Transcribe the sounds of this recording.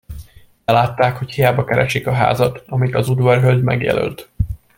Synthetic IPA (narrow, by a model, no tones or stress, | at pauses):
ɛlaːt̪ːaːkhochijaːbɒkɛɾɛʃikɒɦa̰ːzɒt̪ɒmit̪ɒzud̪ʋɒrɦøld̪mɛ̰ɡjɛ̰lø̰lt̪